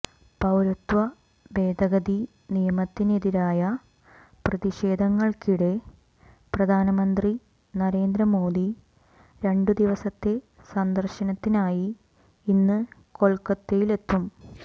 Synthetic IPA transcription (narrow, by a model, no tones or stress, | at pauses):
pɐwɾɐt̪ʋɐ | be̞ːd̪ʱɐɡɐði | nijɐmɐt̪ːineðiɾaːjɐ | prɐðiɕe̞ːd̪ʱɐŋːɐɭkiɽe̞ | prɐd̪ʱaːnɐmɐnd̪ri | nɐɾe̞ːnd̪ɾɐmo̞ːd̪i | ɾe̞ɳɖɨd̪iʋɐsɐt̪ːe̞ | sɐnd̪ɐrɕɐnɐt̪ːinaːjiː | nːɨko̞ɭkɐt̪ːejile̞t̪ːum